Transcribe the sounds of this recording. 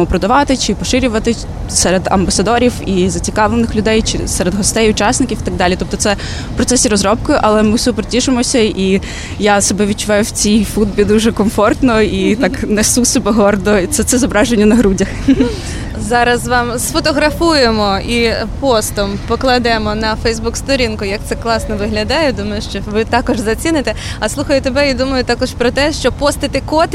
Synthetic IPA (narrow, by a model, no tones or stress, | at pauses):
ɔpɾɔd̪ɐʋɑt̪ɪt͡ʃɪpɔʃɪɾʲʊʋɐt̪ɪ | sɛɾed̪ɐ̰mbɐsɐd̪ɔɾʲiwizɐt͡sʲikɑʋlˠenɪxlʲʊd̪ɛjt͡ʃɪ̰sɛɾed̪ɦɔst̪ɛjʊt͡ʃɑsnɪkʲiwit̪ɐɡ̚d̪ɑlʲit̪ɔp̚t̪ɔt̪sɛ̥ | pɾɔt̪sɛsʲiɾɔzɾɔp̚kɪʔɐlˠɛmɪwsʲʊpɾɔtʲiʒɪmɔsʲɐi | jasɔbɛʋʲid̚t͡ʃʊʋɛjʊwt͡sʲijfud̪̚bʲid̪uʒɛkɔmfɔrt̪nɔit̪ɑknɛsusɔbɛɦɔrd̪ɔt̪sɛt̪sɛzɔbɾɑʒenʲːɐnɐɦɾudʲɐx | zɑɾɐzʋɑmsfɔt̪ɔɦɾɐfujemɔipɔst̪ɔmpɔklˠɐd̪ɛmɔnɐfɛjzbukst̪ɔɾʲinkʊjɐk̚t̪sɛklˠɑsnɔʋɪɦlʲɐd̪ɑjɛd̪umɐjʊʃt͡ʃɔʋɪt̪ɑkɔʒzɐt͡sʲinɪt̪ɛ | ɐslˠuxɐjʊt̪ebɛid̪umɐjʊt̪ɑkɔʃpɾɔt̪ɛʃt͡ʃɔpɔst̪ɪt̪ɪkɔt̪